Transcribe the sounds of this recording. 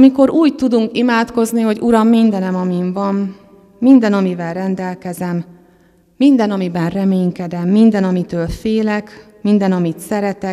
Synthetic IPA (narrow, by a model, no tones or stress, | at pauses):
miko̞ɾuːɟt̪ud̪uŋkimaːt̪ko̞zniɦo̞ɟuɾɒmːind̪ɛnɛmɒmiɱvɒnː | ind̪ɛnɒmivɛlrɛnd̪ɛlkɛzɛmː | ind̪ɛnɒmibɛnrɛmeːŋkɛd̪ɛmːind̪ɛnɒmit̪øːlfeːlɛk | mind̪ɛnɒmit̪sɛɾɛt̪ɛ